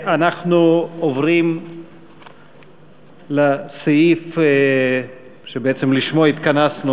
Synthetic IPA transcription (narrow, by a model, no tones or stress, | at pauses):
anaχnuovʁim | lasejif | ʃebeet͡semliʃmoait̪kanasnu